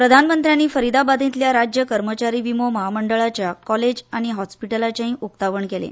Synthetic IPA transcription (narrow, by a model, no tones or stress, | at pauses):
pɾəd̪ʱanmənt̪ɾjanːiːfəɾid̪abad̪ʱĩt̪ljaɾad͡ʑjəkəɾmət͡ɕaɾiːʋimoməɦaməɳɖəɭat͡ɕjakɔled͡ʑaɽ̃iɦɔspiʈəlat͡ɕaɦĩʔuk̚t̪aʋəɳkelḛ